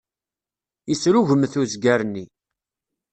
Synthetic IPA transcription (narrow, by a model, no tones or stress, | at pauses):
isɾuʝəmθuzɡæɾnːi